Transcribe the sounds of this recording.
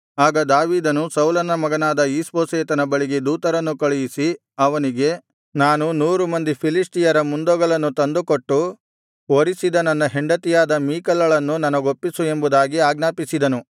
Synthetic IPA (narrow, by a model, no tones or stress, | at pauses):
aːɡɐd̪aːʋiːd̪ɐnusɐwlɐnɐmɐɡɐnaːd̪ɐiːspoːseːt̪ɐnɐbɐɭiɡed̪uːt̪ɐɾɐnːukɐɭɛjisi | ɐʋɐniɡe̞ | naːnunuːɾumɐnd̪ipʰilisʈijɐɾɐmund̪ɔɡɐɭɐnːut̪ɐnd̪ukoʈːu | oɾisid̪ɐnɐnːɐɦeɳɖɐt̪ijaːd̪ɐmiːkɐlːɐɭɐnːunɐnɐɡo̞pːisue̞mbud̪aːɡiaːɡnaːpisid̪ɐnu